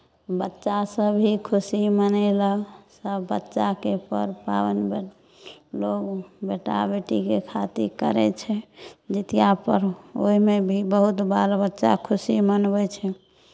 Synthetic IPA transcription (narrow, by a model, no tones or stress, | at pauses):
bətːʃasəbʱikʰusimənɛləsəbːətːʃakepə̰ɾpawənb | loɡbeʈa̰beʈikekʰat̪iɾkəɾɛ̰t͡ʃʰɛd͡ʒət̪ijapəɾoimebʱibəɦut̪balbətːʃa̰kʰusimənbɛt͡ʃʰɛ